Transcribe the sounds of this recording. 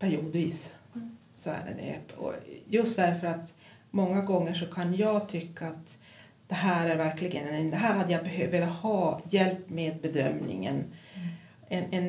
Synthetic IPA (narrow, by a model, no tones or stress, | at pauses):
pʰæɾjuːd̪viːs | sɔæ̰ɖɛ̰d̪ɛ̰ɔ̰jɵst̪̚d̪æɾfœɾat̪ | mɔŋːaɡɔŋːəʂɔkʰanjɑːɡt̪ʰʏkːaːt̪ | d̪̥ɛɦæːɾæɾvæɾklɪɡənɛd̪ɛɦæːɾhad̪ːəjabɛɦøveːlat̪hɑːjɛlpːmeːd̪̚bɛd̪œmnɪ̰ŋə̰n | ɛnɛn